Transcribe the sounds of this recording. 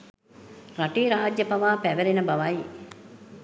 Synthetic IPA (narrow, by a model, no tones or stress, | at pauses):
ɾaʈiːɾaːd͡ʒjəpɐʋaːpæʋeɾenəbɐʋɐj